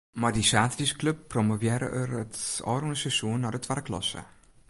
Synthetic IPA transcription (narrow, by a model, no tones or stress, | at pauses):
mardisaːtriskløpːromovjɪːɾə̰ʔərətɔ̰ːrunəsɛsuənːaːdətʰʋadəklɔ̰sə̰